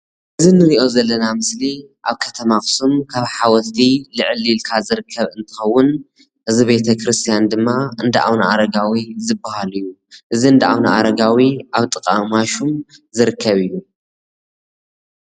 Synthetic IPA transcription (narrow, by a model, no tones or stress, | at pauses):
ʔɨzinɨɾiʔo̞zɐlːɐnamɨsli | ʔaβkʰɐt̪ʰɐmaxɨ̥sumkʰaβħawɔt̪ʰilɨʕɨlilkʰazɨɾɨkʰːɐβɨnt̪ʰɨ̥xɐwːʊn | hɨzuβe̞t̪ʰɐkʰɾɨst̪ʰijand̪ɨmːaɨnd̪ɐʔa̰wnaʔaɾɐɡawizɨbːahalɨjːuʔɨziɨnd̪ɐʔa̰wnaʔaɾɐɡawiʔaβt̪ʼɨkʼamaʃumzɨɾɨkʰːɐβɨjːu